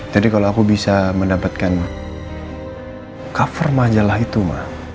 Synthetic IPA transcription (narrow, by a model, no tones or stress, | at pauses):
d͡ʒadikaloakubisaməndapat̪̚kan | kafərmad͡ʒalahit̪uma̰h